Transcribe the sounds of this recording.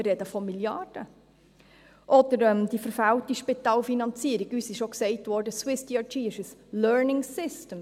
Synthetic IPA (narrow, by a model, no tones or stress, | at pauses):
ɪrɾɛdəfɔmiljɑrd̥ə | ʔɔd̥əɾɛmd̥ifəɾfæwtiʃpitɑːlfinɑnt͡siəɾiɡysɪʃoksɛɪtʋɔɾdəswɪstiɑt͡ʃiːɪʃəslœːɹnɪŋsɪstəm